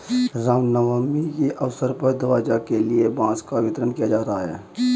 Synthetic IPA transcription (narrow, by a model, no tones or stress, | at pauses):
ɾaːmnəʋaːmikiʔɐʋsəɾpəɾd̪ɐʋaːd͡ʒakeliebãːskaʋɪt̪ɾənkijad͡ʒaːɾaɦaɦɛ̰ː